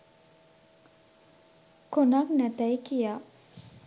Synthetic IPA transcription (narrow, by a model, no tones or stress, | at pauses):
konaknæt̪əjkijaː